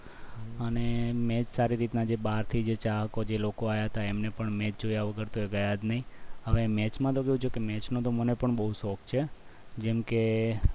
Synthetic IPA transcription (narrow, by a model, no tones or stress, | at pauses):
ənemɛt͡ʃsaɾiɾit̪nad͡ʒeɓaɾt̪ʰid͡ʒet͡ʃaɦəkod͡ʒelokoajaɦət̪aemnepəɳmɛt͡ʃd͡ʒojaʋəɡəɾt̪oeɡəjad̪nəɦĩɦəʋemɛt͡ʃmãt̪okejũt͡ʃʰokemɛt͡ʃnõt̪omənepəɳɓəɦusɔkʰt͡ʃʰed͡ʒɛmke